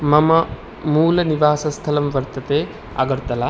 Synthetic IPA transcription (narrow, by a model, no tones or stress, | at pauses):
mɐmɐ | muːlɐniʋaːsɐst̪ʰɐlɐmʋɐɾt̪ɐt̪eː | ɐ̰ɡɐɾt̪ɐlɐ